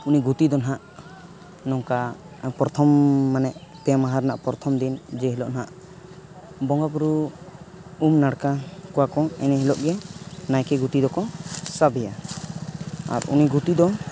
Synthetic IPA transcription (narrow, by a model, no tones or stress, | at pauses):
uniɡut̪id̪ɔnaɦaʔ | nɔŋka | pɾɔt̪ʰɔmːanɛʔpɛmaɦaɾna̰ʔpɔɾt̪ʰɔmd̪ind͡ʒɛɦilɔʔnɦaʔ | bɔŋɡapuɾu | umnaɽkakɔwakɔɛnɛɦilɔʔɡɛnajkɛɡut̪id̪ɔkɔsabɛja | a̰ɾṵniɡut̪id̪ɔ